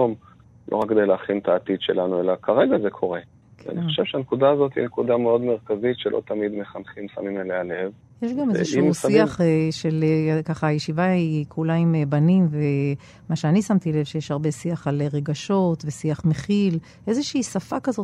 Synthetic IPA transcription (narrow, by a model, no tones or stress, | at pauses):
om | lo̰ʁak̚ɡed̪ejleːχint̪aːt̪id̪ʃelanuelakʰaʁe̞ɡazekʰo̞ʁe | ka̰niχoʃevʃeanekud̪aːzo̞t̪hḭnekud̪ameo̞d̪meʁkazitʃelʔo̰t̪amid̪me̞χanχimsa̰mimelealev | jeʃɡameeʃimsiaχeʃelekaχaːjeʃivaikʰulaimbanimve | maʃeanisamt̪ile̞vʃejeʃhaʁbe̞siaχaleʁe̞ɡaʃo̞t̪vesiaχmeχil | ʔe̞zeʃiːsafakazo̞t